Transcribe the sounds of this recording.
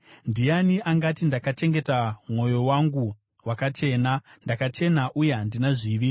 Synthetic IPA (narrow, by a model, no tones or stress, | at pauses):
ndijaniʔaŋɡatindakat͡ʃe̞ŋɡe̞tamwo̞jo̞waŋɡu | wakat͡ʃe̞ːnandakat͡ʃe̞naʔujeɦandinaʐiːʋi